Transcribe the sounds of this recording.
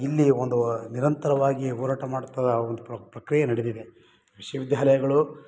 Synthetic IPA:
ilːiond̪uniɾɐnt̪ɐɾɐʋaːɡiɔːɾaːʈɐmaːɽut̪ːɐd̪ɐond̪upɐpɾɐkɾijɐnɐɽed̪id̪e | ʋiʃɐjɐʋid̪jaːlɐjɐɡɐɭu

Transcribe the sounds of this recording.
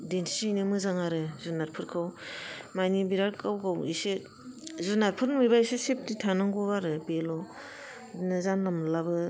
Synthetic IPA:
denʰinɯmɯzaŋaɾɯzunaɾpʰɯɾkʰɯwmajnibiɾaɾkawɡawḭsɯ | zunaɾpʰɯɾnmɯjbajsɯsep̚titʰanɯŋɡubaɾɯbelɔ | nazanlamlabɯ

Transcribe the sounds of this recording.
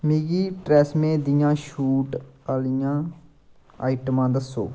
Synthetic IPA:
meːɡiːʈɾɛːsmẽːd̪ɪjãːʃuːʈaːlɪjãː | aːɪʈəmãːd̪əsːo̰ː

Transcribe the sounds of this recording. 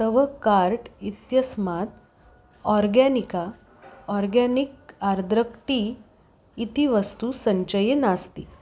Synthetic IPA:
t̪əʋəkaɾʈit̪jəsmat̪ | ɔɾɡɛnika | ɔɾɡanik̚aɾd̪ɾəkʈiː | t̪iʋəst̪usəɲt͡ɕəjenast̪ḭ

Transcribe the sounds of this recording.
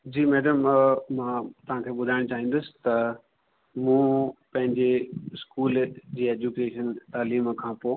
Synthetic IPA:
d͡ʑiːmɛːɖəmmãt̪ɐʋ̤ãkʰeːɓʊd̪ʱaːɪɽ̃t͡ɕaːɦĩːn̆d̪ʊsɪ̥̆t̪ɐ | mũːpɐ̃ɦɪ̃ɲd͡ʑeɪskuːld͡ʑeːeːd͡ʑukeːʃənt̪aːliːmkʰãːpoː

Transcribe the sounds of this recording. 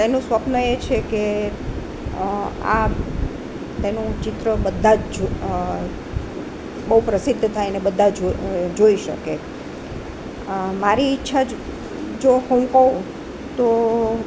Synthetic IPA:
enũsʋəpnəet͡ʃʰeke | a | t̪enũt͡ʃɪt̪ɾəbəd̪ʱad͡ʒ | bəɦupɾəsɪd̪ʱːət̪ʰajnebəd̪ʱːad͡ʒd͡ʒoiʃə̰ke | maɾiːtːʃʰa | d͡ʒohə̃kəũ | t̪o

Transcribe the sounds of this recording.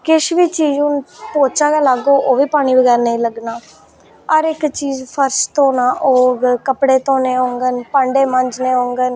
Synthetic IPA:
kɪʃʋiːt͡ʃiːd͡ʒʊnpoːt͡ʃaːkaːlaɡoːʔoːʋiːpaːɽ̃iːbəɡɛːɾnəĩləɡnaː | əɾɪkt͡ʃiːzpʰəɾst̪õːnaːʔoːkəpɽeːt̪õːneːɦõːŋɡənpə̃ɳɖeːməɲd͡ʒneːɦõːŋɡən

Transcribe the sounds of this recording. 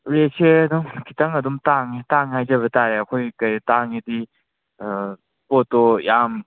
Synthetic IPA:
ɾesʰeɐdumkʰitɐŋɐdumtaŋetaŋɦajzɐβɐtaɾeɐkʰojkɐjtaŋidi | potɔjam

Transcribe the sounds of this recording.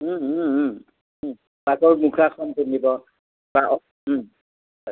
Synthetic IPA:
bakɔɹmukʰakʰɔntunibɔ | ba | ɔ

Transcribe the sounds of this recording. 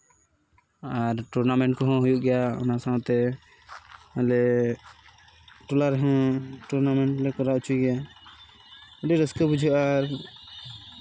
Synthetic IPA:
aɾʈuɾnamɛɳʈkɔɦɔ̃ɦujuʔɡɛjaɔ̰nasawt̪ɛ | alɛ | ʈɔlaɾɦɔ̃ʈuɾnamɛɳʈlɛkɔɾaut͡ʃʰuɡɛja | ɔɖɛɾəskəbud͡ʒʱuʔaɾ

